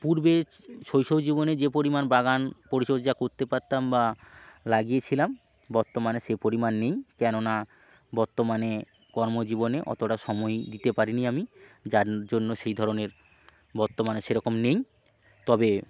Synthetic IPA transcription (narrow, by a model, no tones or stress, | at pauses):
puɾbe | ʃojʃowd͡ʑiboned͡ʑepoɾimanbaɡanpoɾiʃodd͡ʑakoɾt̪epaɾt̪ːambalaɡiet͡ɕʰilam | bɔɾt̪omaneʃepoɾimanːejkɛnona | bɔɾt̪omane | kɔɾmod͡ʑiboneʔɔ̰t̪oʈaʃɔmɔjd̪it̪epaɾiniamid͡ʑaɾd͡ʑonːoʃejd̪ʱɔɾoneɾ | bɔɾt̪omaneʃeɾɔkomnej | t̪ɔbe